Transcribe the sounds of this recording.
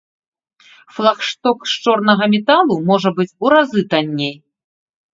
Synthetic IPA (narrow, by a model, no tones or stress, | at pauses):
flˠaxʂt̪ɔkʂt͡ʂɔrnɐɣɐmʲɛt̪alˠumɔʐɐbɨt͡sʲuɾazɨt̪anʲːej